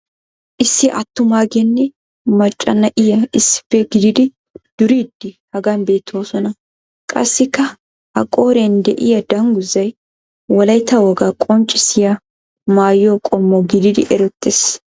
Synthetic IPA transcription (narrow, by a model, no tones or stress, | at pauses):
ʔɪsːɪʔɐ̰t̪ːʊmaːɡɛnːɛ | mɐt͡ʃʼːɐ̰nɐʔɪjɐɪsːɪ̥pːɛɡɪd̪ɪd̪ɪ | d̪̥ʊɾiːd̪̥ːɪhɐɡɐnbe̞ːt̪ʰːoːsɔnɐ | kʼɐ̰sːɪkːɐ | hɐ̰kʼo̞ːɾɛnd̪ɛʔɪjɐd̪ɐŋɡʊzːɐj | wɔlɐjt̪ːɐwɔɡakʼɔnt͡ʃʼːɪsɪjɐ | maːjːokʼɔmːɔɡɪd̪ɪd̪ɪ̰ʔɛɾɔt̪ʼːes